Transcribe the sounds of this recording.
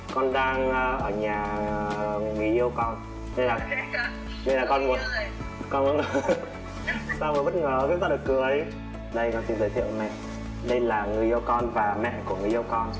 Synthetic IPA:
kɔ˧nɗaː˧ŋə˧ʔəː˧˩ɲaː˨˩ | ŋi˨˩jʔi˧əwkɔ˧n | nə˧laː˨˩ | nə˧laː˨˩kɔ˧nmu˨˧˩əkɔ˧nvṵ˧˦ŋ˨˧ | saː˧wməː˨˩jɓt̚ŋəː˨˩˨ɲʊ̰˧˦˥ŋ͡mt̪aː˧ɗɨ˨˩əkːɨ˨˩əɗi˧ | ɗə˧jkɔ˧˦nsi˧nzəː˨˦t̪ʰḭ˧˨ə̰˨wmɛ̰˧˨ʔ | ɗə˧jlaː˨˩ŋɨ˨˩jʔi˧əwkɔ˧nvaː˨˩mɛ̰˧˨ʔku˧˩əŋɨ˨˩jʔi˧əwkɔ˧n

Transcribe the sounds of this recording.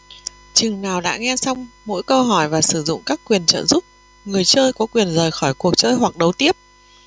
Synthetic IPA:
t͡ɕɨ˨˩ŋnaː˨˩wɗa̰ː˧˥ŋɛ˧sa˧wŋ͡mmo̰˧˥jkə˧wɦɔ˧˩jvaː˨˩sɨ˧˩zʊ̰˧˨ŋ͡mkaː˦˥kːwi˨˩ənt͡ɕə̰ː˧˨nzu˦˥p̚ | ŋɨ˨˩əjt͡ɕəː˧jkɔ˨˦kwi˨˩ənzəː˨˩jxɔ˧˩jku˨˩ək̚t͡ɕəː˧jɦwa˨˩k̚ɗə˨˦wt̪i˦˥əp̚

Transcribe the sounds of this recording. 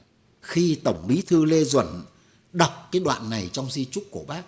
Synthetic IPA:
xi˧t̪ə˧˩wŋ͡mmi˨˦t̪ʰɨ˧le˧zwə̰˧˩n | ɗa˨˩wk͡p̚kaː˨˦jɗwa̰ː˧˨nːa˨˩jt͡ɕɔ˧wŋ͡mzi˧t͡ɕʊ˦˥k͡p̚ku˧˩ɓaː˦˥k̚

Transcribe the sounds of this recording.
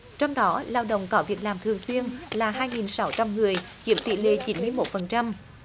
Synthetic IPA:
t͡ɕɔ˧wŋ͡mɗɔ˨˦laː˧wɗə̰˧˨wŋ͡mkɔ˨˦vi˨˩ək̚laː˨˩mt̪ʰɨ˨˩əŋswi˧ənlaː˨˩ɦaː˧jŋi˨˩nsa˨˦wt͡ɕa˧mŋɨ˨˩əj | t͡ɕi˨˦˥əmt̪ḭ˧˨lḛ˧˨t͡ɕi˨˦nmɨ˧əjmo˨˥t̚fə˨˩nt͡ɕa˧m

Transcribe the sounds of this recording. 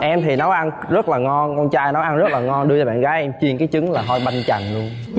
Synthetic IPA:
ʔɛ˧mt̪ʰi˨˩nɔ˨˦ʔa˧n | zə˦˥t̚laː˨˩ŋɔ˧nkɔ˧nt͡ɕaː˧jnɔ˨˦ʔa˧nzə˦˥t̚laː˨˩ŋɔ˧nɗɨ˧t͡ɕɔ˧˩ɓa̰ː˧˨nɣaː˨˦jʔɛ˧mt͡ɕi˧˩ənkaː˨˦jt͡ɕɨ˨˦ŋlaː˨˩ɦɔ˧jɓa˧jŋt͡ɕa̰˨˧˩ŋlu˧ən

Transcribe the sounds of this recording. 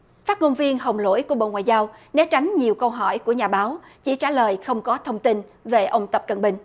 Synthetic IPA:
faː˦˥t̚ŋo˧nvi˧ənɦə˨˩wŋ͡mlo̰˧˥jku˧˩əɓo̰˧˨ŋwaː˧˨jzaː˧wnɛ˨˦t͡ɕa˨˦jŋ̟ɲi˨˩əwkə˧wɦɔ˧˩˨jku˧˩əɲaː˨˩ɓaː˨˦w | t͡ɕḭ˧˩t͡ɕaː˧˩ləː˨˩jxə˧wŋ͡mkɔ˨˦t̪ʰə˧wŋ͡mt̪i˧nve˨˩ʔə˧wŋ͡mt̪ə˨˩p̚kə̰˧˩nɓï˨˩ŋ̟

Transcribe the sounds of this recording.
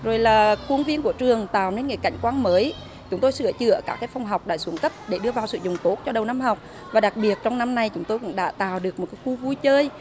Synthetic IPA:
zo˨˩jlaː˨˩ku˧ənvi˧ənku˧˩ət͡ɕɨ˨˩əŋt̪a̰ː˧˨wne˧nŋḭ˧˥˦jka̰˧˩jŋ̟kwaː˧nməː˨˦j | t͡ɕʊ˨˦ŋ͡mt̪o˧jsɨ̰˧˩ət͡ɕɨ̰˧˨ə˧kaː˦˥˩k̪ʰaː˨˦jfɔ˧wŋ͡mɦa˨˩wk͡p̚ɗa̰ː˧˩su˨˦ənkə˦˥p̚ɗe˧˩ɗɨ˧əvaː˨˩wsɨ̰˧˨zʊ˨˩ŋ͡mt̪o˨˦˥t̚t͡ɕɔ˧ɗə˨˩wna˧mɦa˨˩wk͡p̚ | vaː˨˩ɗa˨˩k̚ɓi˨˩ət̚t͡ɕɔ˧wŋ͡mna˧mna˧jt͡ɕʊ˨˦ŋ͡mt̪o˧jkʊ̰˧˥ŋ͡mɗa̰ː˧˥t̪a̰ː˧˨wɗɨ˨˩ək̚mo˨˩t̚kaː˨˦xu˧vu˧jt͡ɕəː˧j

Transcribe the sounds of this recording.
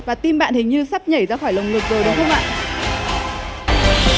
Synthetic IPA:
vaː˨˩t̪i˧mɓa̰ː˧˨nhï˨˩ŋ̟ɲɨ˧sa˦˥p̚ɲə˧˩jzaː˧xɔː˧˩jlə˨˩wŋ͡mlɨ˨˩ək̚zəː˨˩ɗə˨˩xʰə˧ŋ͡mʔa̰ː˧˨n

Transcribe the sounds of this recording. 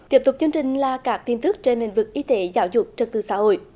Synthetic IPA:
t̪i˦˥əp̚t̪ʊ˨˩k͡p̚t͡ɕɨ˧əŋt͡ɕï˨˩ŋ̟laː˨˩kaː˦˥k̚t̪i˧nt̪ɨ˦˥k̚t͡ɕe˧nhḭ˧˨ŋ̟vɨ˨˩k̚ʔi˧t̪e˨˦zaː˨˦wzʊ˨˩k͡p̚t͡ɕə˨˩t̪ɨ˨˩sa̰ː˧˦ho̰˧˨j

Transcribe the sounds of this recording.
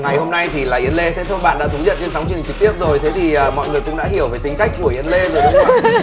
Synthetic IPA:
ŋa˨˩jho˧mna˧jt̪ʰi˨˩laː˨˩ʔi˨˦ənle˧t̪ʰe˨˦t̪ʰo˧jɓa̰ː˧˨nɗa̰ː˧˥t̪ʰə˨˦ŋ͡mzə̰˧˨nt͡ɕe˧nsa˨˦wt͡ɕŋt͡ɕɨ˨˩k̚t̪i˦˥əp̚zo˨˩jt̪ʰe˨˦t̪ʰi˨˩əː˨˩mɔ̰˧˨jŋɨ˨˩əjkʊ̰˧˥ŋ͡mɗa̰ː˧˥ɦi˧˩əwvəː˨˦jt̪ï˨˦ŋ̟ka˦jk̟̚ku˧˩əʔi˨˦ənle˧zo˨˩jɗə˨˦ɔ˧˦

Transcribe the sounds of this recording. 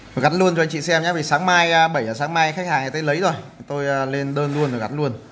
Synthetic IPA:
jɣa˨˦˥nlu˧ənt͡ɕɔ˧ŋt͡ɕḭ˧˨sɛ˧mɲaː˨˦vi˨˩saː˨˦ŋmaː˧jɓə˧˩jəː˨˩saː˨˦ŋmaː˧jxa˦˥k̚haː˨˩ŋa˨˩t̪ə˨˧˦jlə˨˦jzo˨˩jt̪o˧jːle˧nɗəː˧nlu˧ənzo˨˩ɣa̰˨˦˥nlu˧ən

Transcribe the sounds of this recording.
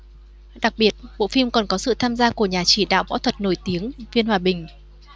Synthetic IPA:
ɗa˨˩k̚ɓi˨˩ət̚ɓo̰˧˨fi˧mkɔ˨˩nkɔ˨˦sɨ̰˧˨t̪ʰaː˧mzaː˧ku˧˩əɲaː˨˩t͡ɕi˧˩ɗa̰ː˧˨wvɔ̰ː˧˥wt̪ʰwə˨˩t̚no˧˩jt̪i˨˦əŋvi˧ənhwaː˨˩ɓï˨˩ŋ̟

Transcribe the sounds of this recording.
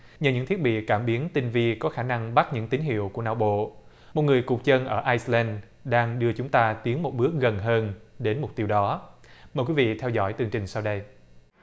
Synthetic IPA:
ɲə˨˩ɲɨ̰˧˥ŋt̪ʰi˦˥ət̚ɓḭ˧˨kaː˧˩mɓi˨˦ənt̪i˧nvi˧kɔ˨˦xaː˧˩na˧ŋɓa˦˥t̚ɲɨ̰˧˥ŋt̪ï˨˦ŋɦḭ˧˨əwku˧˩əna̰ː˧˩wɓo̰˧˨ | mo˨˩t̚ŋɨ˨˩əjkʊ˨˩k͡p̚t͡ɕə˧nʔəː˧˩ʔaː˧jslɛ˧n | ɗaː˧ŋɗɨ˧ət͡ɕʊ˨˦ŋ͡mt̪aː˧t̪i˨˦ənmo˨˩t̚ɓɨ˦˥ək̚ɣə˨˩nɦəː˧nɗe˨˦nmʊ˨˩k͡p̚t̪i˧əwɗɔ˨˦ | məː˨˩kwi˨˦vḭ˧˨t̪ʰɛ˧wzɔ̰˧˩jt̪ɨ˧˩əŋt͡ɕï˨˩ŋ̟saː˧wɗə˧j

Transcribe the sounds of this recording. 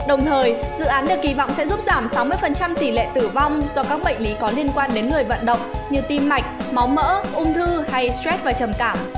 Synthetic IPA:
ɗə˨˩wŋ͡mt̪ʰəː˨˩jzɨ̰˧˨ʔaː˨˦nɗɨ˨˩k̚ːi˨˩vɔ̰˧˨wŋ͡msɛ̰˧˥zu˦˥p̚zaː˧˩msa˨˦wmɨ˧əjfə˨˩nt͡ɕa˧mt̪i˧˩lɛ̰˧˨t̪ɨ˧˩va˧wŋ͡mzɔ˧kaː˦˥k̚ɓə̰˧˨jŋ̟li˨˦kɔ˨˦li˧ənkwaː˧nɗe˨˦nŋɨ˨˩əjvə̰˧˨nɗə̰˧˨wŋ͡mɲɨ˧t̪i˧mːa˨˩jk̟̚ma˨˦wmə̰ː˧˥ʔʊ˧ŋ͡mt̪ʰɨ˧ha˧jstɾɛ˦˥t̚vaː˨˩t͡ɕə˨˩mkaː˧˩m

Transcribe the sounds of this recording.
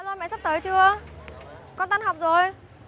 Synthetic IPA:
lɔː˧˩mɛ̰˧˨sa˦˥t̪əː˨˦jt͡ɕɨ˧ə | kɔ˧nt̪a˧nhɔ˨˩wk͡p̚zo˨˩j

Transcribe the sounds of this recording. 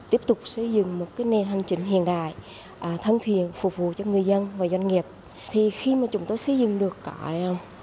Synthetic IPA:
t̪i˦˥əp̚t̪ʊ˨˩k͡p̚sə˧jzɨ̰˧˨ŋmo˨˩t̚kaː˨˦jne˨˩nɦa˨˩jŋ̟t͡ɕï˧˩ŋ̟ɦḭ˧˨ənɗa̰ː˧˨j | ʔəː˨˩t̪ʰə˧ŋt̪ʰḭ˧˨ənfʊ˨˩k͡p̚vṵ˧˨t͡ɕɔ˧ŋɨ˨˩əjzə˧nvaː˨˩zwa˧ŋ̟ŋi˨˩əp̚ | t̪ʰi˨˩xi˧maː˨˩t͡ɕʊ˨˦ŋ͡mt̪o˧jsə˧jzɨ̰˧˨ŋɗɨ˨˩əkːaː˧˩˧

